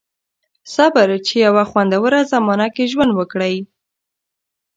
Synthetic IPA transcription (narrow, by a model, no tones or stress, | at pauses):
sɑbaɾt͡ʃejawaxwand̪awəɾazamɑnakeʒwand̪wəkɽəj